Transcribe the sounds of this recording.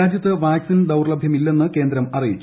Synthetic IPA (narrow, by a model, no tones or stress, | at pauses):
aːd͡ʑjɐt̪ːɨʋaːksind̪ɐwrɭɐbʱjɐmilːe̞nːɨke̞ːnd̪ɾɐmɐrijit͡ɕːu